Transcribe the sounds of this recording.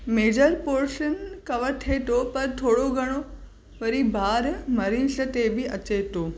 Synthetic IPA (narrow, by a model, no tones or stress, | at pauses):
meːd͡ʑəɾpoːɾʃənkɐʋəɾt̪ʰet̪opɐɾt̪ʰoːɽoɡʱɐɽ̃o | ʋɐɾibʱaːɾmɐɾisət̪ebɪɐt͡ɕet̪oː